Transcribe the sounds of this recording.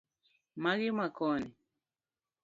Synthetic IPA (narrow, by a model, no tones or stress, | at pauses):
maɣimakɔni